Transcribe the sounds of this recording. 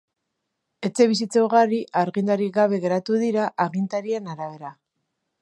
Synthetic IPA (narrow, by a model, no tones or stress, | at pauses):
e̞t͡se̞βisit͡seoɣariʔaɾɣind̪aɾiɡaβ̞e̞ɣe̞ɾat̪uðiɾaʔaɣint̪aɾienaɾaβe̞ɾa